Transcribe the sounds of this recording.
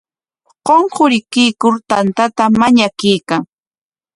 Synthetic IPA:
qoɴqʊɾɪkɪjkʊɾt̪ant̪at̪amaɲakɪjkaŋ

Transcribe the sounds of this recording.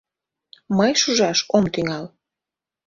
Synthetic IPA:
məjʃuʒɑʃomt̪yŋɑl

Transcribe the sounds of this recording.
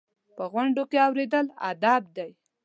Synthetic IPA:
pəɣwaɳɖokeawɾed̪əla̰d̪ab̚d̪aj

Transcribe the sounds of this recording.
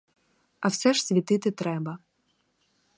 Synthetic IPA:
ɐwsɛʒ̥sʲʋʲit̪ɪt̪ɪt̪ɾɛbɐ

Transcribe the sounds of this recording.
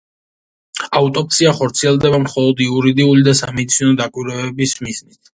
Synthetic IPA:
aut̪ʼɔp̚tsiaχɔɾt̪sʰiɛlˠd̪ɛbamχɔlˠɔd̪iuɾid̪iulid̪asamɛd̪t̪sʰinɔd̪akʼwiɾɛɛbismiznit̪ʰ

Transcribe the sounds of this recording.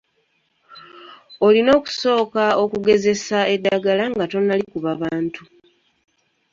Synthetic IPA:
o̞lino̞ːku̥so̞ːkao̞kuɡe̞ze̞saedːaɡalaŋɡato̞nːalikuβaβaːntu

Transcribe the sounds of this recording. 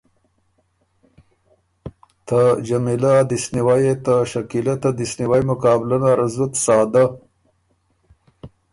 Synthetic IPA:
t̪ad͡ʒɐmilad̪isniwajet̪aʃɐkilat̪ad̪isniwajmʊkaːblɐnaɾɐzut̪sɑːd̪a

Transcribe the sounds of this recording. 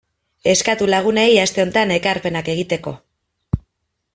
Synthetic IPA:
e̞skat̪ulaɣ̞une̞jast̪e̞o̞nt̪ane̞kaɾpe̞nake̞ɣ̞it̪eko̞̰

